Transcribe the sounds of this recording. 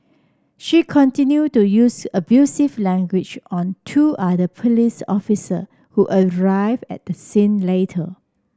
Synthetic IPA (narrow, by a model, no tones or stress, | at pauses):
ʃikʰɔ̃ntĩnjutːujusəbjusivlɛ̃ŋɡwɪd͡ʒɔ̃ntʰuʔadəpʰolisɔ̰fisə̰ | huʔəɹaɪvɛ̰t̚dəsĩnletʰə̰